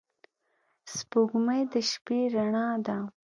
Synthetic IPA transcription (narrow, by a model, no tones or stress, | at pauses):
spoɡməjd̪əʃpeɾaɳɑd̪a